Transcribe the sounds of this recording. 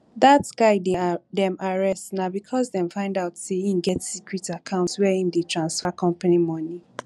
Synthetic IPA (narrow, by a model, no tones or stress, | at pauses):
ðatɡaɪdɛdɛ̃maɹɛstnabikʰɔzdɛ̃mfãɪ̃ndaʊtseĩnɡɛtsikɹitakʰãʊ̃ntswɛĩndetʰɹãnsfakʰɔ̃mpanimɔni